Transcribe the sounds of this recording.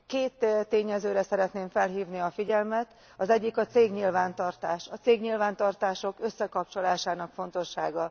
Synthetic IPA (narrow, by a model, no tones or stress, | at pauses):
keːt̪ːt̪ːeːɲɛzøːɾɛsɛɾɛt̪neːɱfɛlɦiːvniɒfiɟɛlmɛt̪ | ɒzɛɟːikɒt̪seːɡɲilvaːnt̪ɒrt̪aːʃɒt̪seːɡɲilvaːnt̪ɒrt̪aːʃo̞køsːɛkɒp̚t͡ʃo̞laːʃaːnɒkfo̞n̪t̪o̞ʃːa̰ːɡɒ